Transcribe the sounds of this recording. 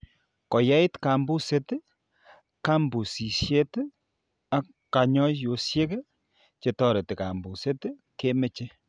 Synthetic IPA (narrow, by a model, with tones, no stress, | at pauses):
kɔ˨ja˦i˦tka˨mbu˦se˦t | ka˦mbu˨si˨sje˦t | a˦ | kːa˨ɲɔ˦jo˨˦sje˦k | t͡ʃe˨tɔ˦ɾe˨te˨ka̰˨mbu˨se˦tke˦me˦t͡ʃe˦